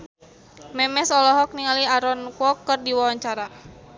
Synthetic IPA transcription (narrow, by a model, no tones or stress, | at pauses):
mɛmɛsɔlɔɦɔk̚niŋaliaɾɔnkwɔkːərdiwawaɲt͡ʃaɾa